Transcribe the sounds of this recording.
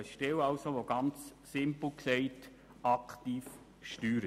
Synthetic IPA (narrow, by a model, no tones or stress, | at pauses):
əʃtɛlɑlsoʋoɡ̥ɑnt͡ssɪmpl̩ksɛɪt | ɑktiːf | ʃtyːɾə